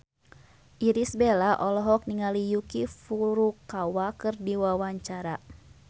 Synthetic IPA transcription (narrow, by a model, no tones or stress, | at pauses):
ʔiɾisbelaʔɔlɔɦɔk̚niŋalijukifuɾukawakɨrdiwawaɲt͡ʃaɾa